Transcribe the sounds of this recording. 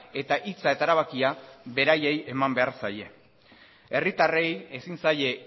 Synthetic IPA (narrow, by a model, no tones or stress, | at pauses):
e̞t̪aʔit͡sae̞t̪aeɾaβakiaβe̞ɾaje̞je̞mambe̞aɾsaje̞ | e̞rit̪are̞je̞sinsaje̞